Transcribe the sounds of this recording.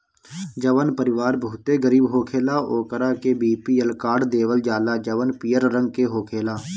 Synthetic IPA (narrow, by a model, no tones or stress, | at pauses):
d͡ʒəʋənpəɾɪʋaːɾbʱuʊt̪eɡəɾiːbɦoːkʰeːlaoːkəɾakebiːpielkaːɾɖd̪eːʋəld͡ʒaːlad͡ʒəʋənpijəɾɾə̃ŋɡ̚keɦoːkʰeːlaː